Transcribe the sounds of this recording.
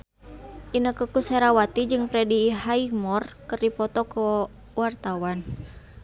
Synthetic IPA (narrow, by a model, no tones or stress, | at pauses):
ʔinəkəkusɛɾawat̪id͡ʒɨŋpɾɛdiɦaimɔrkɨrdipɔt̪ɔkə | wart̪awan